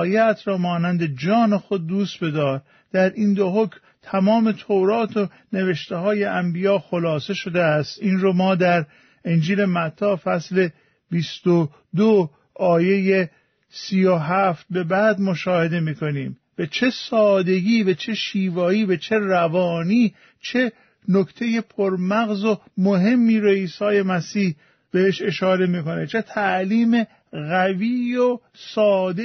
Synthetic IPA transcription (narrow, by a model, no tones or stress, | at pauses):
jæt̪ʰɾɒːmɒːnænd̪e̞d͡ʒɒːne̞xo̞d̪̚ːuːst̪be̞d̪ɒːɾ | d̪̥æɾʔiːnd̪oɦokm | t̪ʰæmɒːme̞t̪ʰoɾɒːt̪ʰo | ne̞veʃt̪ehɒːje̞ʔæmbijɒːxolɒːse̞ʃo̞d̪eæst̪iːnɾomɒːd̪æɾ | end͡ʒiːle̞mæt̪ʰːɒːfæsle̞ | bist̪o | d̪o | ɒːje̞je | siːjoɦæft̪̚be̞bæːd̪moʃɒːhe̞d̪e̞miːkʰo̞niːm | b̥et͡ʃʰe̞sɒːd̪e̞ɡʲiːvæt͡ʃʰe̞ʃiːvɒːiːbet͡ʃʰe̞rævɒːniː | t͡ʃʰe̞ | nokt̪ʰe̞je̞pʰoɾmæɣzo | moɦe̞mːiːɾoiːsɒːje̞mæsiːh | b̥eheʃe̞ʃɒːɾe̞miːko̞ne̞t͡ʃʰe̞t̪ʰæʔliːme̞ | ɣæviːjo | sɒːd̪e